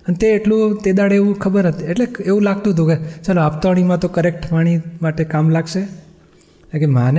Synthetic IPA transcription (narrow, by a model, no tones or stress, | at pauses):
ənt̪eːʈlũt̪ed̪aɽeʋũkʰəbəɾnət̪ieʈleeʋũlaɡ̚t̪ũɦət̪̬ũket͡ʃaloapt̪aɽ̃imãt̪okəɾek̚ʈpaɽ̃imaʈekamlaɡʃe | kekeman